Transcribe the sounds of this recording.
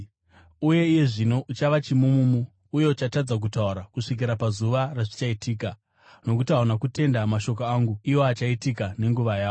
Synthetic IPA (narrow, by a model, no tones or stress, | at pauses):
uje̞ije̞ʐino̞ʔut͡ʃaʋat͡ʃimumumuː | je̞ut͡ʃatad͡zak̬utauɾakuʂik̬iɾapazuʋaraʐit͡ʃaitiːka | no̞k̬utiaonakute̞ndamaʃo̞koaːŋɡuiwo̞at͡ʃaitikane̞ŋɡuʋajaːo